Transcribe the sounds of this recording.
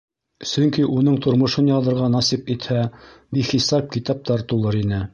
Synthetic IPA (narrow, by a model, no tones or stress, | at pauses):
sɵ̆ŋkiʔunɤɴt̪ŏɾmŏʃɤnjɑðɤ̆ɾʁɑnɑsipit̪hæbiχisɑp̚kit̪ɑp̚t̪ɑɾt̪ulˠɤɾinɘ